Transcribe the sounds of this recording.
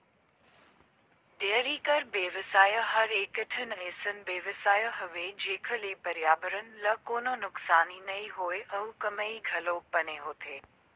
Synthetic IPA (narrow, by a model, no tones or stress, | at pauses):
ɖeəɾiːkɐɾbeːʋəsaːjəɦɐɾeːkəʈʰən̆ẽːsənɪ̆beːʋəsaːjəɦʊʋed͡ʑeːkʰə̆leːpɐɾjaːbəɾənɪ̆lɐkoːnonʊksaːninɐiɦoːeʔɐukɐməiɡʱɐloːpɐneɦoːt̪ʰeː